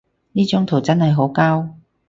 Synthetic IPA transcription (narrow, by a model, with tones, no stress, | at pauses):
niː˥t͡ʃʊ˨˥ŋt̪ʰo˨˩wt͡sɐ˥nhɐ˨jɦo˨˥wkaː˥w